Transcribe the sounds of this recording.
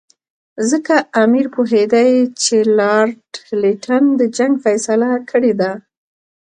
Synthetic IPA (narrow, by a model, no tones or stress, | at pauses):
zəkaamiɾpoɦed̪ajt͡ʃelɑɾʈliʈʰand̪əd͡ʒaŋɡfajsalakʰəɽed̪a